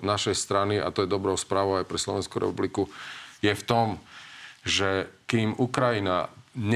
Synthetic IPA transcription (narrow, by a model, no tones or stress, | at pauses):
naʃɛjst̪ɾaniʔa̰t̪ɔjɛd̪ɔbɾɔʊspɾaːʋɔʊajpɾɛslɔʋɛnskuɾɛ̰publikujɛft̪ɔm | ʒɛkimukɾajina̰ɲɛ